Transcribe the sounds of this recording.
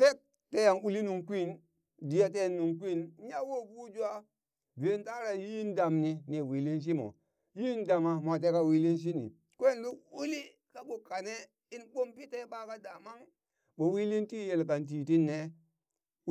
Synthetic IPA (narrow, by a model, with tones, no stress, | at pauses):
fe˦k̚ | te˦ja˨ŋu˨li˦nu˨ŋkʷi˦˨n | di˨ja˦t̬e˦˨nːu˨ŋk̬ʷi˦˨n˦ja˦wo˦bu˦d͡ʒu˦a˦ | be˨˦nta˦ɾa˨ji˦nda˨mni˨ne˨wi˨li˦nʃ̬i˦mo̰˨ | ji˦nda˨ma˨ma˨t̬e˦ka˦wi˦li˦nʃ̬i˦nḭ˨ | kʷe˦nlu˦u˦li˦ | ka˦ɓu˨ka˨ne˦ | i˦nɓo˦mpi˦te˦ɓa˦ka˦da˨ma˦ŋ | ɓo˨wi˦li˦nti˦je˨lka˨nt̬i˨ti˦nːe˨˦